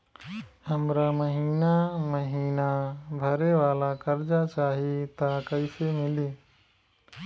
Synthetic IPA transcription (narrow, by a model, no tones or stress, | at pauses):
həmɾaməɦiːnaməɦiːnabʱəɾeʋaːlakəɾd͡ʒat͡ʃaːɦet̪akəɪsemɪliː